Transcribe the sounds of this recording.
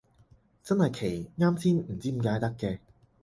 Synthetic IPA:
t͡sɐ˥nhɐ˨jkʰe˨˩jŋaː˥msiː˥nm̩˨˩t͡siː˥m̩˨˩kaː˧jt̪ɐ˥kːɛː˧

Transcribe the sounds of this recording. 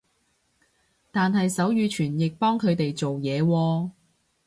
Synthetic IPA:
t̪aː˨nɦɐ˨jsɐ˨˥wjyː˨˧t͡ʃʰyː˨˩njɪ˨k̚pɔː˥ŋkʰɵ˨˧ɥt̪e˨jt͡so˨wjɛː˨˧wɔː˧

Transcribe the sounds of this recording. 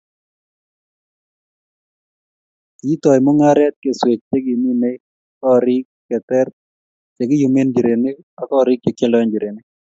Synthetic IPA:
ki˨˦t̪ɔ˨jmo˦ŋa˦ɾɛ˦t̪̚ke˨swe˨t͡ʃ̚t͡ʃe˦ɡi˨mi˦ne˦ | kɔ˦ɾɪ˦kːɛ˨t̪ɛ˦ɾ | t͡ʃe˨ɡɪ˦ju˨me˦nd͡ʒi˨ɾe˨ne˦k | a˨kɔ˦ɾɪ˦k̚t͡ʃe˨ke˦lɔ˦nd͡ʒi˨ɾe˨ni˦

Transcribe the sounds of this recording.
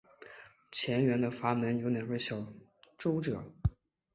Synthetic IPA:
t͡ɕʰjɛ˧˥nɥɛ˧˥nd̪ə˨fa˧˥mə˧˥njo˧˥ʊna˨˩wə˥ɪɕjɑ˨˩ʊ | ʈ͡ʂo˥ʊʈ͡ʂɤ˨˩˦

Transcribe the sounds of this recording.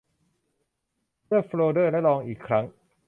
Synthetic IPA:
mʰɯ˥˩əfɾloː˧dɤː˥˩lɛ˦˥lɔː˧ŋʔiː˨˩kʰːɾa˦˥ŋ

